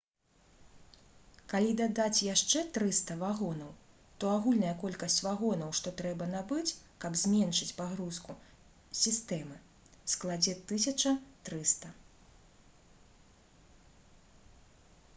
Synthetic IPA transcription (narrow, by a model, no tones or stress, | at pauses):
kalʲid̪ad̪at͡sʲjaʂt͡ʂɛt̪ɾɨst̪ɐvaɣɔnɐw | t̪ɔaɣulʲnɐjɐkɔlʲkɐsʲt͡sʲvaɣɔnɐwʂt̪ɔt̪ɾɛbɐnabɨt͡sʲkɐbzʲmʲɛnʂɨt͡sʲpaɣɾusku | sʲist̪ɛmɨ | sklˠad͡zʲɛt̪ːɨsʲɐt͡ʂɐt̪ɾɨst̪ɐ